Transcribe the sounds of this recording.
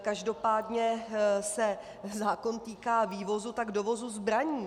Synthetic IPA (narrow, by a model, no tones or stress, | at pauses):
kaʒdo̞paːdɲɛsɛ | zaːkont̪iːkaːviːvo̞zut̪aɡdo̞vo̞zuzbɾaɲiː